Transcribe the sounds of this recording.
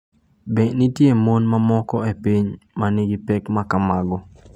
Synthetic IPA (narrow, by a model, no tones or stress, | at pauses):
bɛnitjemonmamɔkɔepiɲmanɪɡipɛkmakamaɡɔ